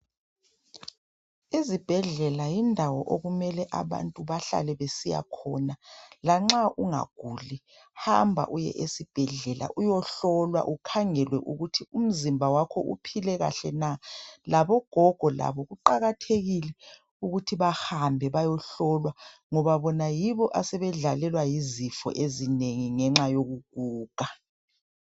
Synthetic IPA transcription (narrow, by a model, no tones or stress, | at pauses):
izib̥ʱɛɮɛlajindʱawɔ̰ʔoɣumɛlɛʔa̰βa̰ntʼuβaɬa̰lɛβesija̰kʰɔnalaŋ͡ǁaʔuŋa̰ɡ̥ʱuːli | hambʱa̰ʔujɛ̰ʔesib̥ʱɛɮɛla̰ʔujɔɬɔlwa̰ʔukʰaŋɛlwɛʔuɣutʰium̩zimbʱawakʰɔ̰ṵpʰilɛɣa̰ɬɛnalaβɔɡ̥ʱɔɡ̥ʱɔla̰βɔɣuǃaɣatʰeɣilɛ | uɣutʰiβahambʱɛβajɔɬɔlwaŋɔβaβɔnajiβɔʔasɛβɛɮalɛlwajizifɔ̰ʔezineŋiŋɛŋ͡ǁajoɣuɡ̥̚ʱuːɡ̥ʱa